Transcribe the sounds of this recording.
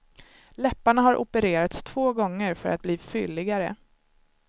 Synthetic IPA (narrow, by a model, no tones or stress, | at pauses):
lɛpːaɳaɦaɾʔʊ̰pəɾeːɾat̪st̪ʰv̥oːɡɔŋːəɾfœɾat̪̚bliːfʏlːɪɡaɾə̰